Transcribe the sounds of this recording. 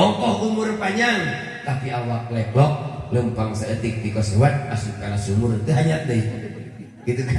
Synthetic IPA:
ɔŋkɔhʔumʊrpaɲaŋ | t̪apiawaklɛblɔk̚ləmpaŋsəət̪ɪk̚pikɔsewat̪̚asukaɾasumʊɾnt̪əɦaɲat̪e | ɡ̥it̪uk

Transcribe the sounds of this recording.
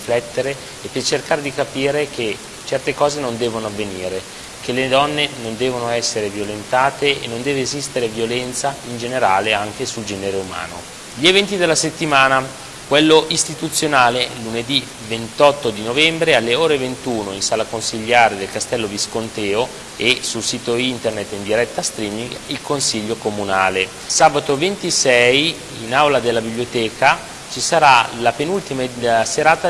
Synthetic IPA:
flɛt̪ːeɾeː | pːert͡ʃerkaːɾed̪ikapiːɾeke | t͡ʃɛrt̪ekɔːzenond̪ɛːvonoavːeniːɾe | kelːed̪ɔnːenond̪ɛːvonoɛsːeɾevjolent̪aːt̪eenːond̪ɛːveːzist̪eɾevjolɛnt̪saind͡ʒeneɾaːleaŋk̟esuld͡ʒɛːneɾeuma̰ːno̰ | ʎievɛnt̪id̪elːaset̪ːimaːna | kwelːoʔist̪it̪ut̪sːjonaːleluned̪i | vent̪ɔt̪ːod̪inovɛmbɾealːeoːɾevent̪uːnoinsaːlakonsiʎːaːɾed̪elkast̪ɛlːoviskont̪ɛːo | esulsiːt̪oint̪ernet̪ːind̪iɾɛt̪ːast̪ɾiːmiŋɡilkonsiʎːokomunaːle | saːbat̪ovent̪isɛj | inawlad̪elːabibliot̪ɛːkʰa | t͡ʃisaɾalapenult̪imaseɾaːt̪a

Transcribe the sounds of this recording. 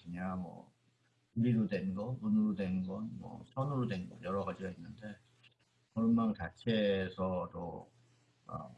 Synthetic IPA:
kɯɲaŋmʌ̰ | uɾiɾodwe̞nɡʌmunɯɾodwe̞nɡʌnmwʌ̰sʰʌnɯɾodwe̞nɡʌ̰njʌɾʌɡad͡ʑiɡainːɯnde̞ | kʌɾʌnmant͡ɕat͡ɕʰe̞sʰʌt͈o̰ | ʌ̰

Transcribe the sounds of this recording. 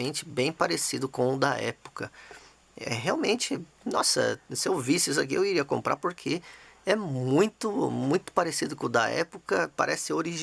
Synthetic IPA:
ẽnt͡ʃɪ̥bẽj̃paɾesid̪ʊkõw̃ʊd̪ɐɛ̰po̥kɐ | ɛ̰ɦeawmẽnt͡ʃɪ | nɔsɐ̰sɪeovisɪis̬ak̬iewiɾiɐkõmpɾa̰ɾpoɾkʰeɛmmũj̃t̪ʊmũj̃t̪ʊ̥paɾesid̪ʊkõd̪ɐɛ̰pokɐpa̰ɾʔɛsɪoɾiʒ

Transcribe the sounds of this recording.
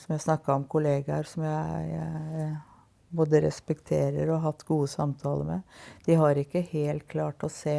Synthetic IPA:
sɔmjæɪsnɑkːɑɾɔmkʰʊleːɡɑɾsɔmjæɪ | boːd̪əɾɛ̰spɛkt̪ʰeːɾəɾɔɦɑt̪ːɡuːəsɑmt̪ʰɑːlə̰mɛ̰d̪̥ɪɦɑɾɪkːəheːlt̪̚kʰlɑːʈɔseː

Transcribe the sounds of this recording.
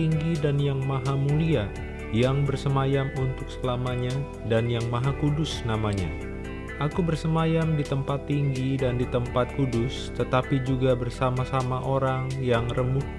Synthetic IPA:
iŋɡidanjaŋmaɦamulia | jaŋbərsəmajamunt̪ʊk̚səlamaɲa | danjaŋmaɦakudʊsnamaɲa̰ | ʔakubərsəmajamdit̪əmpat̪ːiŋɡidandit̪əmpat̪̚kudʊst̪ət̪apid͡ʒuɡabərsamasamaʔoɾaŋjaŋrəmʊ

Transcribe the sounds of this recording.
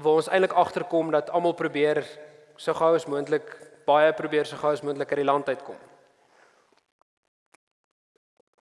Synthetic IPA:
vəːɔnsɛjnləkɐχtərkɔmdɐtɐmɐlˠpɾubiər | səχœwəsmuəntləkb̥ɐjəprubiərsəχəwəsmuəntləkərdilɐntœjtko̰m

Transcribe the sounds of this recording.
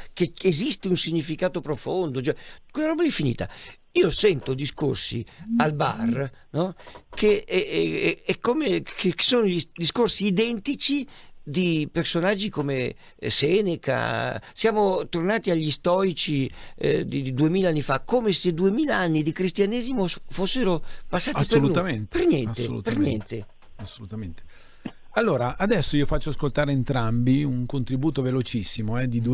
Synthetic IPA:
keezist̪eunsiɲːifikaːt̪opɾofond̪ot͡ʃwɛkwelaɾɔbaɛfːinḭːt̪a̰ | iːosɛnt̪od̪isko̰rsḭalba̰rnɔkʰeɛɛkːomeeksoːnoid̪iskorsiːd̪ɛnt̪it͡ʃid̪ipersonad͡ʒːikome | sɛneka̰sjaːmot̪ornaːt̪iaʎːist̪ɔɾit͡ʃid̪id̪id̪uemiːlaanːifakomesed̪uemiːlaanːid̪ikɾist̪janɛːzimofosːeɾopasːaːipeolunament̪pernjɛnseo̰lṵtperɲjɛ̰nt̪e | asːolut̪ament̪e | alːoːɾaʔad̪ɛsːoiːofat͡ʃːoaskolt̪aːɾeːnt̪ɾambiuŋkont̪ɾibuːt̪ovelot͡ʃisːimoɛd̪id̪u

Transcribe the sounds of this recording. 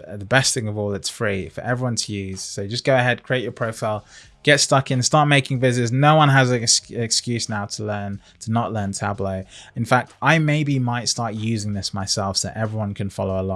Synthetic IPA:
ðəbɛsθɪ̃ŋʌvɔlˠðətsfɹifə̰˞ʔɛvɹiwʌ̃ntʰəjʉz̥soʊd͡ʒʌsɡ̥oʊəɦɛd̚kʰɹ̥ieɪt͡ʃəpʰɹ̥oʊfaɪlˠ | ɡ̥ɛtstʌkɨ̃nstɑɹʔ̚meɪkɪ̃ŋvɪzɪznoʊwʌ̃nəzəɪkskjʉsnaʊtʰəlɜ̃˞n | tʰənəʔlɜ̃ntʰabləʊɨ̃nfak̚taɪmeɪbimaɪtstɑɹʔjʉzɪ̃ŋðɪsmaɪsɛlˠfðə̰ʔɛvɹiwʌ̃nkʰɨ̃nfɑ̰loʊəlɔ

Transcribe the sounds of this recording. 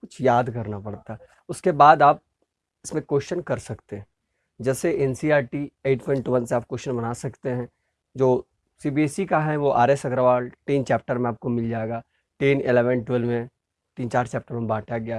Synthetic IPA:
kʊt͡ʃʰjaːd̪kɐɾnapɐɽt̪aɦɛ | ʊskebaːd̪aːp̚ | ɪsmẽkoːʃənkɐɾsɐkt̪eɦɛ̃ | d͡ʒɛːseʔɛnsiaːɾʈieːʈpʰɔ̃ɪɳʈuʋɐ̃nseaːp̚koːʃənbɐnaːsɐkt̪eɦɛ̃ː | d͡ʒoː | siːbiesikaɦɛʋoʔa̰ːɾeːsɐɡɾaʋaːlʈiːnt͡ʃɛːp̚ʈəɾmẽaːp̚komɪld͡ʒaːeɡaː | ʈeːnɪlɛːʋənʈwəlmẽ | ʈiːnt͡ʃaːɾt͡ʃɛːp̚ʈəɾmẽbaːʈʰjaɡɪja

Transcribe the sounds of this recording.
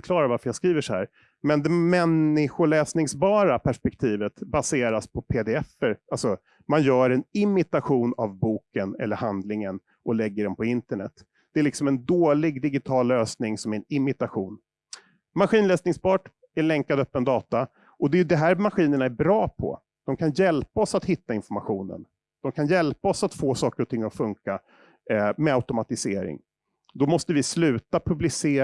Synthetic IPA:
klɑːɾaɾvaɾfəɾjaskɾiːvəʂɔhæ̰ːɾ | mɛnd̪ɛmɛnɪɧʊɭɛːsnɪŋsbɑːɾapʰæʂpɛk̚t̪ʰiːvət̪baseːɾaspʰɔpʰed̪ɛɛfːəɾʔalsɔ | manjœːɾɛnɪmɪt̪aɧuːnavbuːkənɛ̰lːəɾhand̪lɪŋən | ʔɔlɛɡːəɖɛnpʰɔɪnt̪əɳɛ̰t̪ː | d̪̥ɛælɪksɔmɛnd̪oːlɪɡd̪ɪɡɪt̪ʰɑːlːøːsnɪŋsɔmæɾɛnɪmɪt̪aɧuːn | maɾɧiːnlɛːsnɪŋspɑːʈ | ɛɭɛŋkad̪œpːənd̪ɑːt̪a | ʔɔd̪ɛjɵd̪ɛɦæːɾmaɾɧiːnəɳaæɾbɾɑːpʰɔ̰ | d̪̥ɔmkʰanjɛlpaɔsat̪hɪt̪ːaɪnfɔɾmaɧuːnə̰n | d̪̥ɔmkʰanjɛlpaɔsat̪foːsɑːkəɾɔt̪ʰɪŋːɔfɵŋka | mɛaʊt̪ʊmat̪ɪsḛːɾɪ̰ŋ | d̪ɔmɔst̪əvɪslʉ̟ːt̪apʰɵblɪseː

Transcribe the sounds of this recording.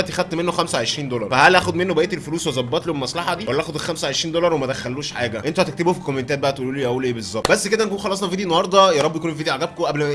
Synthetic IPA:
t̪exæd̪̚t̪menːoxæmsæwʕeʃɾiːnd̪olɑɾˤfæhælʔæːxod̪menːobæʔet̪elfoluːswezˤɑbːɑt̪lihommːæsˤlɑħɑd̪iwælːæʔæːxod̪elxæmsæwʕeʃɾiːnd̪olɑɾˤwemæd̪æxælːuːʃħaːɡæʔent̪uhæt̪ek̚t̪ebofikːomːent̪æːt̪bæʔæt̪eʔuːluːliʔæʔuːlʔeːbezˤːɑb̪̚bæsːked̪æʔnækuːnxɑlːɑs̬ˤnɑfid̪inːɑhɑɾˤd̪ˤɑjæɾˤɑbːjækuːnfid̪iʕaɡæb̚koʔæblmæ

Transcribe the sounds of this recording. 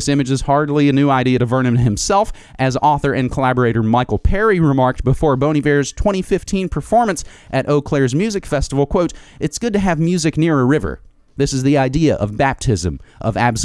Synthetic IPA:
ɪsɪ̃mɨd͡ʒɨz̥hɑɹdˡliɨnʉaɪɾiɨɾɨvɜ̃˞nɨ̃m̃n̚hɨ̃msɛlˠf | ʔɨzɔθə˞ʔɨ̃nkʰəlæbə˞eɪɾə˞maɪkl̩ˠpʰɛɹiɹɨmɑɹk̚t̚b̥əfɔɹbõʊ̃ɾ̃ivɛɹz̥tʰw̥ɛ̃ɾ̃ifɪftʰĩnpʰə˞fɔɹmɨ̃ns | ʔɨɾʔoʊkʰl̥ɛɹzmjʉzɨkfɛstəvl̩ˠkʰw̥oʊɾɨtsɡ̥ʊd̚tɨːvmjʉzɨknɪɹəɹɪvə̰˞ | ðɪsɨzðiaɪdiɨʔʌ̰vbæp̚tʰɪzɨ̃mʔʌ̰væ̰b̥s

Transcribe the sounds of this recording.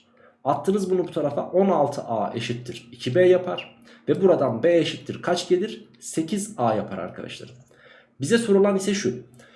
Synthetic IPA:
at̪ʰːɯːnɯzbunubut̪ʰaɾafaʔo̞nalˠt̪ʰɯʔaːʔe̞ʃit̪ʰːiɾ̥icʰibɛjapʰaɾ̥ | vɛbuɾad̪anbɛeʃit̪ʰːiɾkʰat͡ʃɟelʲiɾ̥ | se̞cʰizaːja̰pʰaɾa̰ɾkʰa̰d̪a̰ʃlˠa̰ɾɯm | bizɛsoɾulˠanisɛʃu

